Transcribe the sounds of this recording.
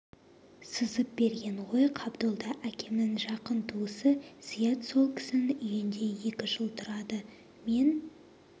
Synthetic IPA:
səzəp̚b̥e̞ɾɡʲe̞ɴʁo̞jqʰɑbd̪olˠd̪ɑʔækʲʰe̞mɪŋʒɑqənt̪ʰuəsəz̥ijɑt̪so̞lˠkʲʰɪ̥sɪnʏjɪnd̪e̞je̞kʲɪʒəlˠt̪ʰʊɾɑd̪ə | me̞n

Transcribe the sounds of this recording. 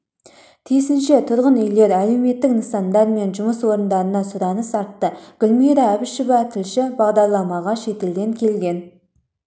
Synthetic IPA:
t̪ʰijsɪnʃe̞t̪ʰʊɾʁənʏjle̞ɾæle̞wme̞t̪ːɪknəsɑnd̪ɑɾme̞nʒʊməswo̞ɾənd̪ɑɾənɑsʊɾɑnəsɑɾt̪ːəɡ̥ʲʊlʲmijɾɑæbɪʃɪvɑt̪ʰɪlʃɪbɑʁd̪ɑɾlˠɑmɑʁɑʃe̞t̪e̞ld̪e̞ŋkʲʰe̞lɡʲe̞n

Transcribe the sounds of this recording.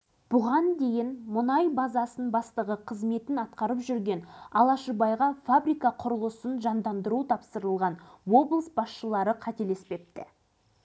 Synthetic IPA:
b̥ʊʁɑnd̪e̞jɪnmʊnɑjbɑzɑsənbɑst̪əʁəqʰəzme̞t̪ɪnɑt̪qɑɾəpʒʏɾɡʲe̞nɑlˠɑʃəbɑjʁɑfabɾijkɑqʰʊɾəlˠəsənʒɑnd̪ɑnd̪əɾut̪ʰɑpsəɾəlˠʁɑnwo̞blˠəsbɑsʃəlˠɑɾəqʰɑt̪e̞le̞spe̞p̚t̪ɪ

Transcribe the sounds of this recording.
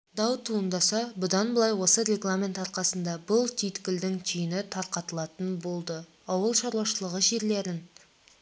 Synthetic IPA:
d̪ɑwt̪ʰuənd̪ɑsɑbʊd̪ɑnbəlˠɑjwo̞səɾʲe̞ɡlˠamʲe̞nt̪ɑɾqɑsənd̪ɑbʊlˠt̪ʰijt̪kʲɪld̪ɪŋt̪ʲʰyjɪnɪt̪ʰɑɾqɑt̪əlˠɑt̪ənbo̞lˠd̪ə | ɑwəlˠʃɑɾwɑʃəlˠəʁəʒe̞ɾle̞ɾɪn

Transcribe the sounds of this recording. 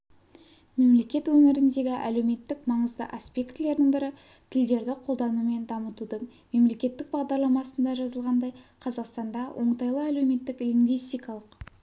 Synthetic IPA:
me̞mle̞kʲe̞t̪wɵmɪɾɪnd̪e̞ɡʲɪʔæ̰lewme̞t̪ːɪkmɑɴəzd̪ə̰ʔaspe̞kt̪le̞ɾd̪ɪŋbɪɾɪ | t̪ʰɪld̪e̞ɾd̪ɪqʰo̞lˠd̪ɑnume̞nd̪ɑmət̪ud̪əɴ | me̞mle̞kʲe̞t̪ːɪk̚bɑʁd̪ɑɾlˠɑmɑsənd̪ɑʒɑzəlˠʁɑnd̪ɑjqʰɑzɑqst̪ɑnd̪ɑwʔo̞ɴt̪ɑjlˠəæle̞wme̞t̪ːɪkliŋɡvijst̪ijkɑlˠəq

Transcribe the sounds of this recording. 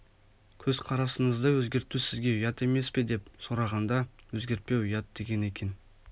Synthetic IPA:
kʲʰɵz̥qʰɑɾɑsəɴəzd̪əwɵzɡʲe̞ɾt̪usɪzɡʲe̞ʊjɑt̪e̞me̞sped̪e̞pso̞ɾɑʁɑnd̪ɑwɵzɡʲe̞ɾt̪̚pe̞wʊjɑt̪̚d̪e̞ɡʲe̞ne̞kʲe̞n

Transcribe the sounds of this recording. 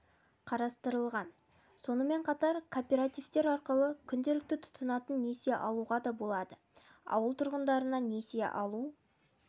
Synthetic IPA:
qʰɑɾɑst̪əɾəlˠʁɑn | so̞nəme̞ɴqʰɑt̪ɑɾkʰopʲe̞ɾat̪ijvt̪e̞ɾɑɾqəlˠəkʲʰʏnd̪e̞lɪk̚t̪ɪt̪ʰʊ̥t̪ənɑt̪ənːe̞seʔɑlˠuʁɑd̪ɑbo̞lˠɑd̪ə | ɑ̰wəlˠt̪ʰʊɾʁənd̪ɑɾənɑne̞siḛʔɑlˠu

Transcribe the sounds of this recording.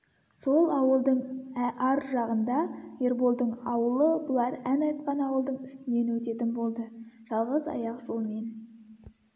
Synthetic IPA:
so̞lˠɑwəlˠd̪əɴæʔɑɾʒɑʁənd̪ɑje̞ɾbolˠd̪əɴɑwəlˠəbʊlˠɑɾænɑjt̪qɑnɑwəlˠd̪əɴʏst̪ɪne̞nwɵt̪e̞t̪ɪnbo̞lˠd̪əʒ̥ɑlˠʁəzɑ̰jɑqʒo̞lˠme̞n

